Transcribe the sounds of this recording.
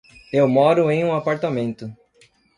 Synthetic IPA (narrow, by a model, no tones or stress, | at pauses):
ewmɔɾʊẽj̃ũapaɾt̪amẽnt̪ʊ